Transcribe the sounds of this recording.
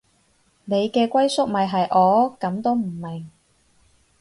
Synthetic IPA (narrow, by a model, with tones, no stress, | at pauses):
ne˨˧jkɛː˧kʷɐ˥jsʊ˥k̚mɐ˨jɦɐ˨jʔɔː˨˧kɐ˨˥mt̪o˥wm̩˨˩mɪ˨ŋ